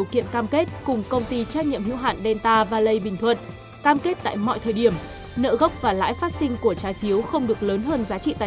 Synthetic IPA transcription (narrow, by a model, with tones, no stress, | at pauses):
wkḭ˧˨ənkaː˧mke˦˥t̚kʊ˨˩ŋ͡mkə˧wŋ͡mt̪i˧t͡ɕaː˦˥k̚ɲḭ˧˨əmhḭ˧˥wɦa̰ː˧˨nɗɛ˧nt̪aː˧vaː˨˩lə˧˩jɓï˨˩ŋ̟t̪ʰwə̰˨n | kaː˧mke˦˥t̚t̪a̰ː˧˨jmɔ̰˧˨jt̪ʰəː˨˩jɗi˧˩əm | nə̰ː˧˨ɣə˦˥wk͡p̚vaː˨˩la̰ː˧˥jfaː˦˥t̚sï˧ŋ̟ku˧˩ət͡ɕaː˨˦jfi˨˦əwxə˧wŋ͡mɗɨ˨˩ək̚ləː˨˦nɦəː˧nzaː˨˦t͡ɕḭ˧˨t̪aː˧˨